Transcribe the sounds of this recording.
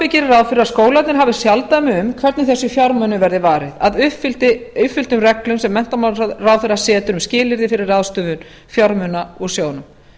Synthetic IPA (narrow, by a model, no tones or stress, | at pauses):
ɪcɪɾrawfɪɾɪɾaskoːwlat̪nɪɾɦaːvɪ̥sjalt̪aðmɪʏmkʰvɛɾt̪nɪθɛsːʏfjaɾmœnʏvɛɾðɪvaːɾɪðaðʏfɪlt̪ɪʏfʏlt̪ʏmrɛklʏmsɛmːɛn̥t̪amaaðraːwfɪɾasɛːt̪ʏɾʏmscɪːlɪɾðɪfɪɾɪɾaðst̪ʏvʏn | fjaɾmʏnaɔɣsjoːwnʏm